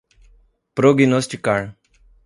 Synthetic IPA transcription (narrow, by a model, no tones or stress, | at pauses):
pɾoɡinosʈikːaɳ